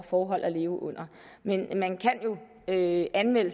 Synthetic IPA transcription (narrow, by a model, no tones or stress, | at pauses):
fɒːɦɒ̽l̰ʔæle̝ːʊəʔɔ̽n̰ɐ | menmænkʰæn̰jo̝ | øʔænmel̰ə